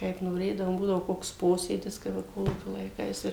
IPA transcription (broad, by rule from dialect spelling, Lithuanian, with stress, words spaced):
kɐɪp noːˈrʲeːdɐʋoːm ˈbuːdɐʋoː ˈkoːks ˈpoːsʲeːdʲɪs kɐɪp ˈʋɐ ˈkoːlˠuːkʲoː lˠɐɪˈkɐɪs ɪr